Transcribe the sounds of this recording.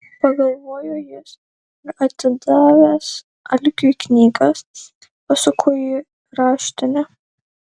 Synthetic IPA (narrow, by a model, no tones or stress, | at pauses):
pɐɡɐlˠʋoːjojɛs | ɪɾɐt̪ʲɪd̪ɑːʋʲæːs | ɐlʲkʲuknʲiːɡɐs | pɐsʊkʰʊji | ɾɑːʃʲt̪ʲɪnʲɛ